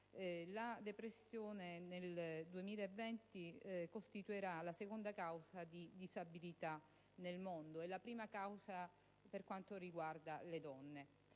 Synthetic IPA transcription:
lad̪epɾesːjoːneneld̪uemiːlaevːɛnt̪ikost̪it̪uiɾalasekond̪akawzad̪id̪izabilit̪a | nelmond̪oɛlapɾiːmakawza | perkwant̪oriɡward̪aled̪ɔnːe

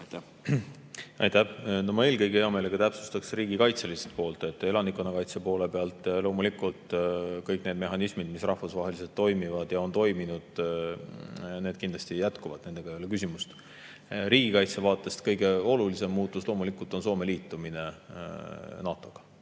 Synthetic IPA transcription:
jt̪æ | ɑ̰jt̪æhnomɑe̞ːlkɤjɡeeome̞ːleɡ̥ɑt̪æpsu̥st̪ɑksriːɡ̥ikɑjt̪selise̥t̪po̞ːlt̪ˑe̞t̪ːˑe̞lɑnikːˑonɑkɑjt̪sepo̞ːle̞pe̞ɑlt̪ˑlo̞ːmulikˑult̪ˑkɤjkˑne̞ːd̪̚me̞ɦɑnismid̪̥misrɑhfusvɑːɦe̞lise̞lt̪ːo̞jmivɑd̪̥jɑo̞nt̪o̞jminud̪̥ | ne̞ːd̪̥kind̪lɑst̪ijæt̪kuvɑd̪̥nend̪̥e̞ɡɑejolekys̬ʲimust̪ | ɾiːɡ̥ikɑjt̪sevɑːt̪ːˑe̞st̪kɤjɡe̞o̞lulise̞mːuːt̪ˑːuslo̞ːmulikːˑult̪o̞nso̞ːme̞liːt̪ːˑumine̞ | nɑːt̪ˑo̞ɡ̥ɑ̥

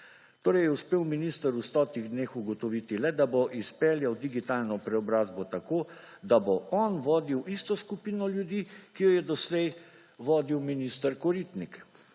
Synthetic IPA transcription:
t̪oːɾɛjɛuspeːwminiːst̪əɾust̪ɔːt̪iɣd̪neːxuɡɔt̪ɔʋit̪ilɛd̪aboʔispɛljawd̪iɡit̪aːlnɔpɾɛɔbɾaːzbɔt̪akoː | d̪abɔʔɔnʋɔːd̪iwʔist̪ɔskupiːnɔljud̪iːkijɔjɛd̪ɔslɛj | ʋɔːd̪iwminist̪əɾkɔɾiːt̪nik

